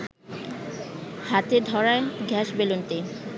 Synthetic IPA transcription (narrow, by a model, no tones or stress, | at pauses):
hat̪ed̪ʱɔɾaeɡʱɛʃbelont̪e